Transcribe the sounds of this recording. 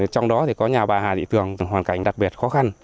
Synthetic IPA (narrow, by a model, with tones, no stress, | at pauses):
t͡ɕɔ˧wŋ͡mɗɔ˨˦t̪ʰi˨˩kɔ˨˦ɲaː˨˩ɓaː˨˩haː˨˩ɗḭ˧˨t̪ɨ˨˩əŋɦwaː˨˩nka˧˩jŋ̟ɗa˨˩k̚ɓi˨˩ət̚xɔ˨˦xa˧n